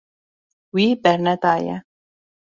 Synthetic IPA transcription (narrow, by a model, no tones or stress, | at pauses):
wibɛɾnɛt̪ajɛ̰